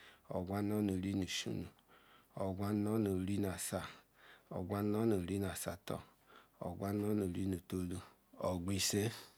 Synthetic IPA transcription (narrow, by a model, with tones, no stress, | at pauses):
ɔ̰˨ɡʷa˦n˦ɔ˦no˨ɾi˦nu˨ʃṵ˦nu˨ | ɔ˨ɡʷa˦n˦ɔ˦no˨ɾi˦na˨sa˨ | ɔ̰˨ɡʷa˦ɔ˦no˨ɾi˦n˨a˨sa˨tɔ̰˨ | ɔ̰˨ɡʷa˦n˦ɔ˦no˨ɾi˦nu˨to˧˦lu˦ | ɔ˨ɡʷi˧se˦